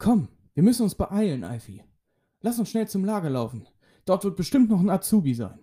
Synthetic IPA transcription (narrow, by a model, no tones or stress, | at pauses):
kʰɔm | viːɐmʏsn̩ʊnsb̥əʔaɪlənʔa̰ɪfḭ | lasʊnsʃnɛlt͡sʊmlaːɡɐlaʊfn̩ | d̥ɔɐtv̥ɪɐt̚b̥əʃtɪmtnɔχn̩at͡suːbiza̰ɪn